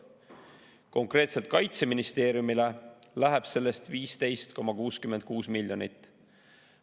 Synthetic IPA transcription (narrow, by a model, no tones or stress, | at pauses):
ko̞ŋkre̞ːt̪se̞lt̪̚kɑjt̪se̞minist̪e̞ːɾjumile̞læɦeb̥se̞lːe̞st̪viːst̪e̞jst̪ko̞mɑkuːskymend̪̚kuːsmilʲːjo̞nit̪ːˑ